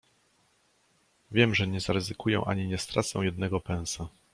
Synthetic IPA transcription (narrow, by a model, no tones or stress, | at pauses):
vʲjɛmʐɛɲɛzaɾɛzɘkujɛ̰̃w̃ʔa̰ɲiɲɛst̪ɾa̰t̪sɛ̰̃w̃jɛd̪̚nɛɡɔpɛ̃w̃sa